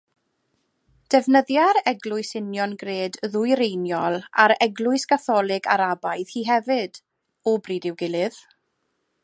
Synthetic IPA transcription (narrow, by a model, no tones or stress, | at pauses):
d̥ɛvnəðjaɾɛɡlˠʊɨsɪnjɔnɡreːdðʊɨɾejnjɔlˠa̰ɾɛɡlˠʊɨskaθɔlˠɪɡa̰ɾabajðhiːɦɛvɪd̥ | ɔbriːdɪwɡɪlˠɪð̥